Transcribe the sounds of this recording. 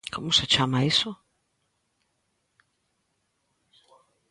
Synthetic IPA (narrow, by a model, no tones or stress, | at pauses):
kʰomʊsɪt͡ʃamɐisʊ